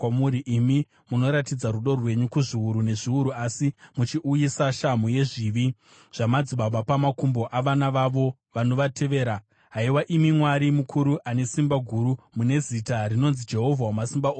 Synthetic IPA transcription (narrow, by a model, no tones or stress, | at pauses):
amuɾiʔimi | muno̞ɾatid͡zaɾuɗo̞rwe̞ɲukuʐiuɾune̞ʐiuɾuasimut͡ʃiʔujisaʃamuje̞ʐiːʋi | ʐ̥amad͡ziɓabapamakumbo̞ʔaʋanaʋaʋo̞ | ʋano̞ʋatʰe̞ʋe̞ːɾa | ɦaiwaʔimimwaɾimukʰuɾuʔane̞simbaɡʱuɾu | mune̞zitaɾino̞nzid͡ʒe̞ɦo̞vʱawamasimbaoː